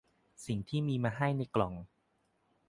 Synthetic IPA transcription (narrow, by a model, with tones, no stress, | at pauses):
si˨˩ŋt̪ʰiː˥˩miː˧maː˧ɦa˥˩jna˧jklɔ˨˩ŋ